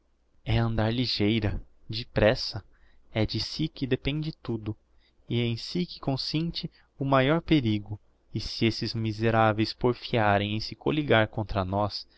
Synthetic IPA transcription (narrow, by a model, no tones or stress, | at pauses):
ɛɐ̃nd̪aɾliʒejɾɐd͡ʒɪpɾɛsɐ | ɛd͡ʒɪsikɪd̪epẽnd͡ʒɪt̪ud̪ʊ | ɪẽj̃sikɪ̥kõsẽnt͡ʃɪ | ʊmajɔɾpeɾiɡʊ | ɪsɪesɪzmizeɾavejspoɾfiaɾẽj̃ẽj̃sɪkoliɡaɾkõnt̪ɾɐnɔs